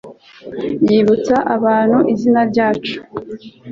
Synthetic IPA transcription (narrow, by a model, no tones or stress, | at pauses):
jiːβut͡saʔaβaːn̥huʔizinaɾɟaːt͡ʃu̥